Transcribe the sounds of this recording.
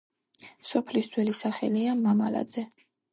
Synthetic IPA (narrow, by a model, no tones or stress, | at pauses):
sɔpʰlisd̪ʰwɛlisaχɛliamamala̰d̪zɛ